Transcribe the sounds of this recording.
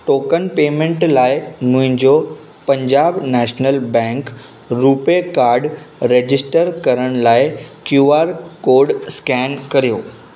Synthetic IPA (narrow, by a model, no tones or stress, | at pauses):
ʈoːkənpeːmẽɳʈlaːɪnũɦɪ̃nd͡ʑo | pɐ̃ɲd͡ʑaːbnɛːʃnəlbɛ̃ːŋk | ɾuːpekaːɾɖ | ɾeːd͡ʑɪsʈəɾkɐɾəɽ̃laːɪkjuːaːɾkoːɾɖskɛːnkɐɾijoː